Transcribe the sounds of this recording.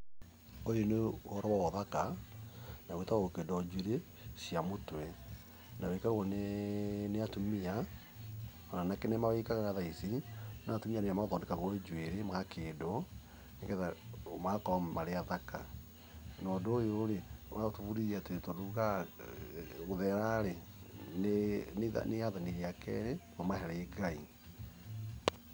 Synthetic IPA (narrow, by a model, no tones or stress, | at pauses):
ojoneɔɾɔwawɔðaka | naɣwetaɣaɣokedɔd͡ʒweɾe | siamotwɛ | nawɛikaɣɣoneneatumia | ɔnanakenemaweikaɣanaðaisinatumianejamaðɔndekaɣoed͡ʒweɾemɣakʰeːdɔ | neɡɛðamakɔamaɾeaðaka | nɔdojoɾeoaɣotoβuɾiɾateɾetoduɣa | ɣoðɛɾaɾe | nena̰neaðaniɾiakʰɛ̰ɾeɣomaɦɛɾɛːɡai